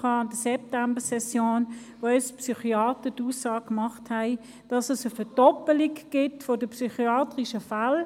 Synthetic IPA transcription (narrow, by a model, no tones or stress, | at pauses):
ɑːɑnd̥əsɛp̚tambəsɛsjoːn | ʋoɛspsyχiɑːtəduːsːɑːk̚kmɑχthæɪ | d̥ɑsəsəfəd̥ɔpəliɡɡ̥ɪtfodəpsyχiɑːtʁiʃəfal